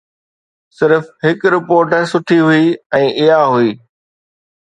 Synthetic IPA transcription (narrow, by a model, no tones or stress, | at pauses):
sɪɾfɦɪkɾɪpoːɾʈəsʊʈʰiɦuiɛ̃ːʔɪɦaɦuiː